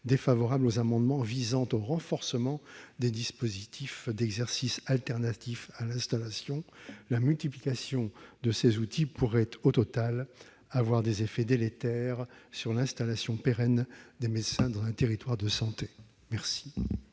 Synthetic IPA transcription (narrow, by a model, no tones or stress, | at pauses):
d̪efavɔʁablozamɑ̃d̪mɑ̃vizɑ̃t̪oʁɑ̃fɔʁsəmɑ̃d̪ed̪ispozit̪ʰifd̪ɛɡzɛʁsisalt̪ɛʁnat̪ifalɛ̃st̪alasjɔ̃lamylt̪iplikasjɔ̃d̪əsezut̪ʰipuʁɛt̪ot̪ɔt̪al | avwaʁd̪ezefɛd̪elet̪ɛʁsyʁlɛ̃st̪alasjɔ̃peʁɛnd̪emed̪sɛ̃d̪ɑ̃zɛ̃t̪eʁit̪waʁd̪əsɑ̃t̪e | mɛʁsi̥